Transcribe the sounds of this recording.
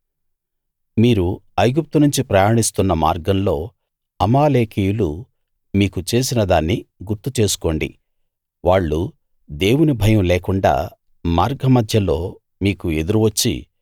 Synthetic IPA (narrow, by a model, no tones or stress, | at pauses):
miːɾuɐjɡup̚t̪unuɲt͡ʃipɾɐjaːɳist̪unːɐma̰ːɾɡɐmlo̞ː | ɐmaːleːkʰijulu | miːkut͡ʃe̞ːs̬inɐd̪aːnːiɡuɾt̪ut͡ʃe̞ːsu̥ko̞ːɳɖḭ | ʋaːɭːu | d̪e̞ːwunibʱɐjɐmleːkuɳɖa̰ː | maːɾɡɐmɐd̪ʱjɐlo̞ː | miːkue̞d̪uɾuʋɐt͡ʃːḭ